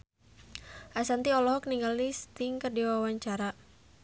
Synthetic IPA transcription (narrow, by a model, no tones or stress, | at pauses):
ʔasant̪iɔlɔɦɔk̚niŋɡalist̪iŋkərdiwawaɲt͡ʃaɾa